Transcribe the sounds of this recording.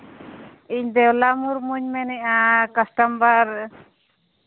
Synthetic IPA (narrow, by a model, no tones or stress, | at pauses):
iɲd̪ɛwlamuɾmuɲmɛnɛʔakasʈambaɾ